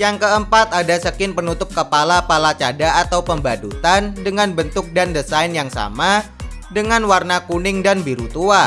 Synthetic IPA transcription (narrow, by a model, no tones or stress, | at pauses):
jaŋkəəmpat̪adasəkɪnpənut̪ʊp̚kəpalapalat͡ʃadaːt̪awpəmbadut̪andəŋanbənt̪ʊk̚dandəsaɪnjaŋsa̰ma | dəŋanwarnakunɪŋdanbiɾut̪ua